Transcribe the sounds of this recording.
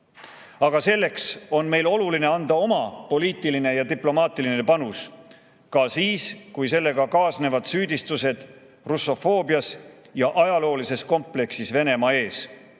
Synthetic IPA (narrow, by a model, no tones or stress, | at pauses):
ɑɡ̥ɑse̞lːe̞kso̞nme̞jlo̞luline̞ɑnd̪ɑo̞mɑpo̞liːt̪ˑiline̞jɑt̪iplo̞mɑːt̪iline̞pɑnus | kɑsiːskujse̞lːe̞ɡ̥ɑkɑːsne̞vɑd̪̥syːd̪̥ist̪use̞d̪̥ | rusːo̞fo̞ːbjɑs | jɑʔɑjɑlo̞ːlise̞sko̞mple̞ksisve̞ne̞mɑe̞ːs